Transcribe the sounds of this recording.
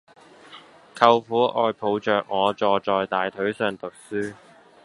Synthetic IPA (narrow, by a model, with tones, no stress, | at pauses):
kʰɐ˧wfuː˨˥ʔɔː˧jpʰo˨˧wt͡ʃœː˨k̚ŋɔː˨˧t͡ʃɔː˨˧t͡ʃɔː˨jt̪aː˨jt̪ʰɵ˨˥ɥsœː˨˧ŋt̪ʊ˨k̚syː˥